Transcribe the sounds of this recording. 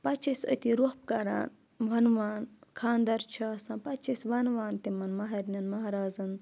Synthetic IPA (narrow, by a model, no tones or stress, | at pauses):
pɐt͡ʃʰisɐ̰t̪iɾohp̚kɐɾa̰ːn | ʋɐnʋaːnkʰaːnd̪ɐɾt͡ʃʰaːsɐ̃npɐt͡ʃʰɐsʋɐnʋaːnt̪imɐnmɐɦɐɾnɐnmɐɦɾaːzɐn